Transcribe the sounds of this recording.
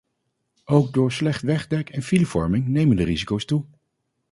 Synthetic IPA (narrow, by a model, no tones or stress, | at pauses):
owɡ̚dʊːɹslɛχtʋɛχdɛkɛnfilivɔ̰ɹmɪŋnejməndərizikowstu